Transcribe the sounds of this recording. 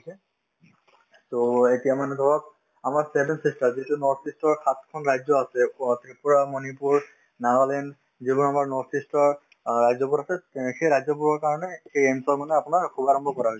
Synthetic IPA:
osɛ | toetijamanɛɡɔɹɔk̚ | amaɹsɛbʱɛnsistaɹziɦtunɔɹtʰistɔɹkʰatkʰɔnɹajzɔasɛtipuɹamɔnipuɹ | naɹɔlɛnd | zibɔnamaɹnɔɹtʰistɔɹ | ɹajzɔbuɹasɛxejɹajzɔbuɹɔɹkaɹɔnɛxejɛnsɔlmanɛapʊnaɹkʰubaɹɔmbʱɔkɔɹaɦojsɛ

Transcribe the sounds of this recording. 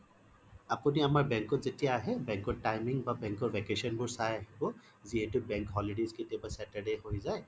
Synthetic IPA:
apuniamaɹbɛŋkɔtzetijaːɦɛbɛŋkɔɹtajmiŋbabɛŋkɔɹvɛkesɔnbʊɹsajaɦibɔ | ziɦetʊbɛŋkɦɔliɖezketiabasɛtaɹɖeɦojzaj

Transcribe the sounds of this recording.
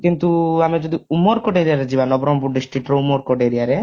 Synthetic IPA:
kint̪uamed͡ʒɔd̪iumɔɾkɔʈeɾijaɾed͡ʒibanɔbɾɔmbuɖisʈiʈɾɔumɔɾkɔʈeɾijaɾe

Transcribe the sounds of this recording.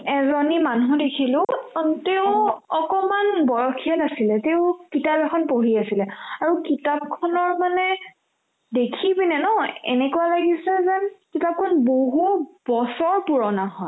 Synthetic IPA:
ɛzɔnimanɦũdekʰilʊ̃teʊ̃ɔkɔmanbɔɹɔkʰijatasilɛteʊ̃kitabɛkʰɔnpoɦiasilɛaɹukitap̚kʰɔnɔɹmanɛ | dekʰibinɛnɔɛ̰nɛkualaɡisɛzɛkitap̚kʰɔnboɦub̥ɔsɔɹpuɹɔnaɦɔj

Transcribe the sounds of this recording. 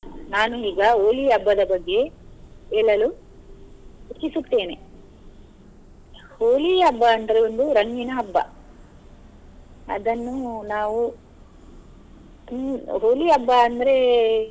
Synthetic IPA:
naːnuiːɡɐoːliɐbːɐd̪ɐbɐɡːe̞ | eːɭɐlu | ut͡ʃːisut̪ːe̞ːne̞ | hoːliɐbːɐːnd̪ɐɾeond̪uɾɐŋɡinɐːbːɐ̰ | ɐ̰d̪ɐnːunaːʋu | ɦoːliɐbːɐɐnd̪ɐɾe̞

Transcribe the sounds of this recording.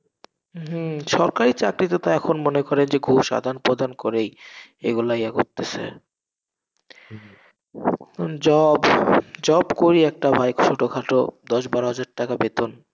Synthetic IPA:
ɦ̩ʃɔɾkaɾit͡ɕakɾit̪ot̪aɛkʰonmonekɔɾend͡ʑeɡʱuʃa̰d̪ʱanpɾod̪ʱankoɾejḛɡulajɛɡot̪ːesʰḛ | d͡ʑɔbd͡ʑɔbkoɾiɛk̚ʈabʱajkʰo̥ʃʰoʈokʰaʈod̪ɔʃbaɾoɦad͡ʑaɾʈakabet̪on

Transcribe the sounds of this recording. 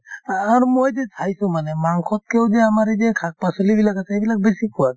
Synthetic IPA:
aɾmojd͡ʒetʰajsũmanemaŋkʰɔt̪̚keod͡ʒeamaɾed͡ʒekʰak̚pasulibilakasaibilak̚besikʰuat̪̚

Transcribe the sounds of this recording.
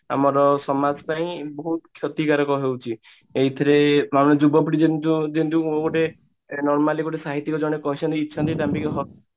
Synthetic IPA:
a̰mɔɾɔsɔmad͡ʒɔpaĩbɔɦut̪kʰjɔt̪ikaɾɔkɔɦewt͡ʃʰi | eɦit̪ʰɔɾeamned͡ʒubɔpiʈid͡ʒent̪ud͡ʒent̪uoɡoʈe | nɔɾmaleɡoʈ̬esaɦit̪ːikɔd͡ʒɔɽ̃ekɔɦit͡ʃʰɔnt̪iːtːt͡ʃʰɔnt̪iʈambikɔɦɔ

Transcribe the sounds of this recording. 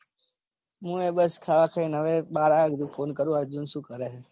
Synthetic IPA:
mũːeːɓəskʰaːʋaːkʰəĩːnəʋeːɓaːɾaːɡd̪uːfʰoːnkəɾũːaːɾd͡ʒunsuːkəɾeː

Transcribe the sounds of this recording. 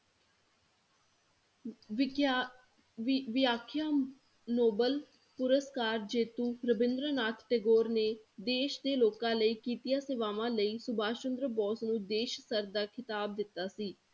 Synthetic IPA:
ʋɪjaːkʰjaː | noːbəl | pʊɾəskaːɾd͡ʒeːt̪uːɾəbɪ̃nd̪ɾənaːt̪ʰʈeɡoːɾneːd̪eːʃd̪eːloːkãːləiːkiːt̪ijaːsɪːʋaːʋãːləiːsʊbaːt͡ʃənd̪ɾəbɔːsnũːd̪eːʃsəɾd̪aːkʰɪt̪aːb̚d̪ɪt̪ːaːsiː

